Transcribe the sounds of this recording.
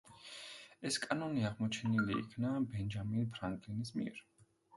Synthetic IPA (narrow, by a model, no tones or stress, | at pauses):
ɛskʼanɔniaʁmɔt͡ʃʰɛnilḭːkʰnabɛnd͡ʒaminpʰɾaŋkʼlinismḭɛɾ